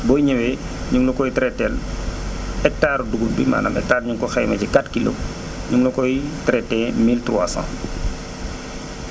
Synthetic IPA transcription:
bɔjɲɛwɛ | ɲuŋlukɔjitɾɛtːɛl | ɛk̚taːɾuduɡut̚bḭma̰ːnɐ̰mɛ̰k̚taːɾɲuŋkɔxɛjmɐcikatkilɔ̰ | ɲuŋlukɔjitɾɛtːɛːmiltruwasã̰ː

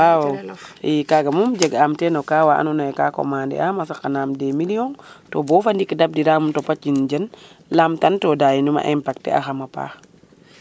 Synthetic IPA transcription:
awoikaɡamumd͡ʒeɡamtenokawaʔa̰nunajeka̰ko̰mandḭamasakanamdemilijoŋtobofandikidab̚diɾamumtopaind͡ʒən | lamtantodajinuma̰ʔempak̚tḛa̰xamapa̰

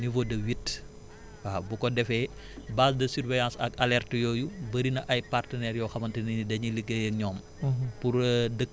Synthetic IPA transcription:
nivodɐwitː | waːbukɔdɛfɛ | baːsdɐsyɾvɛjãːsɐ̰kɐlɛrtəjɔːjubəɾinɐʔɐjpartənɛɾjɔxɐmɐntɐninidɐɲiliɡɐjɐɲɔːm | puɾdəkː

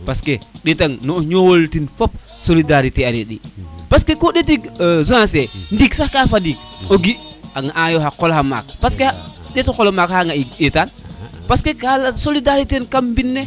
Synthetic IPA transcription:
paskeɗitaŋnoɲowoltinfop̚ | solidaɾiteaɾḭɗḭpaskekoɗet̬ikzunasendiksahkafadik̚ | oɡiaŋaʔajohakolhama̰k̚paskea | detokolomakhaŋaietanpaskekalasolidaɾitenkambinːe

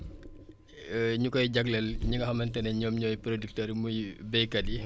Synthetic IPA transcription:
ɲukɔjɟɐɡlɛlɲuŋɡɐhɐmɐntɛnɛɲɔːmɲɔːjpɾodik̚tɐɾmujbɛjkɐdi

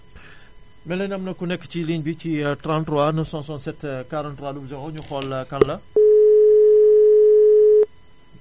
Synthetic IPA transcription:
mɛlɛnɐmnɐkunɛkːciliɲbicitɾãntɾwanɐsɔ̃nsɔ̃nsɛtkaɾɐntɾwaːdubzɐɣɔɲuxɔlːɐkɐnlɐ

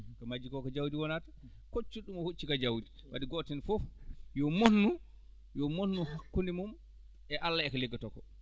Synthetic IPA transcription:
kɔmad͡ʒikɔkɔd͡ʒawdiwɔnatḁ | kot͡ʃːuɗumɔhot͡ʃːikad͡ʒawdi | wa̰diɡɔtɛnfɔfjɔmonːu | jɔmonːuhakːundimum | ɛʔalːaɛkaleɡːatɔkɔ̰

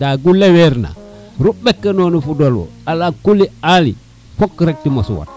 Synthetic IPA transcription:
daɡulːeweɾna̰ | ɾubekːenonufudolwo̰alakulialḭ | fokːɾek̚timasṵwa̰t̚

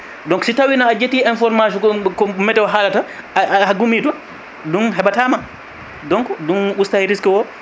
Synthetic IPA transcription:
dɔŋksitawinaːd͡ʒetːiːɛnfɔɾmaʃ̬ɔɔkɔmɛtːɛwɔɦaːlata | haɡumitɔ | dunɦɛbataːma | dɔŋkɔdunustaɛɾiskiwɔ

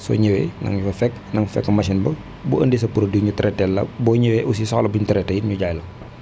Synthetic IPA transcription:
sɔ̰ɲəwɛ̰nɐ̰ŋɲufɐfɛkː | nɐŋfɛ̰kːɐmɐʃinbɐ | buə̰ndisɐpuɾoduɲutɐɾɛtɛlːɐ̰bɔːɲəwɛʔus̬isɔlɐbuɲutɐɾɛtːɛiɲuɟajlɐ

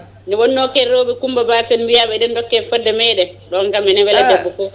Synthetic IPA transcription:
niwɔnːɔkɛɾoːɓɛkumbabaːfɛnbijaɓɛdɛndɔkːɛfɛdːɛmɛjɗɛɗɔŋkamɛnɛwɛlad͡ʒabːɔkɔ

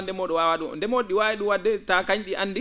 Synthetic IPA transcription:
ndɛmɔːɗɔwawaɗundɛmoɗːiwaːwɛɗuwadːɛtakaɲɗiʔanːdi

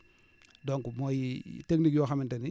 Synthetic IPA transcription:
doŋkumojiteknikjoxamɪnteni

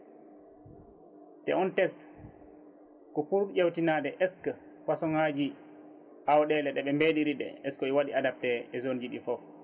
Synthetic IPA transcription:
tɛ̰ɔntɛst | kɔpuɾɗuʔewtinadɛʔɛskə | kwasɔŋhad͡ʒi | ʔawɗɛlɛɗɛɓɛmbeɗiɾiɗɛ̰ɛskɔɛwaɗiadap̚tɛɛzond͡ʒiɗifɔf

